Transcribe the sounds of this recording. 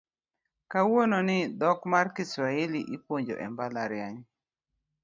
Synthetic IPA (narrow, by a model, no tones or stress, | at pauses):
kawononɪd̪ɔkmarkisɾaeliʔipwoɲd͡ʒo̰ʔɛ̰mbalaɾjaɲ